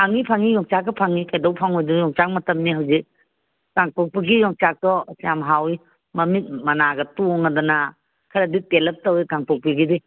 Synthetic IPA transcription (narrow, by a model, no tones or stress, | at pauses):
aŋipʰaŋijɔŋt͡ʃakːɐpʰaŋikʰajdɔwpʰaŋojdujɔŋt͡ʃak̚mɐtɐmniɦawzik̚ | kaŋpɔk̚piɡijɔŋt͡ʃak̚tɔsijamɦawi | mɐmit̚mɐnaɡɐtoŋadɔna | kʰaɾaditelɐp̚tawikaŋpɔk̚piɡidi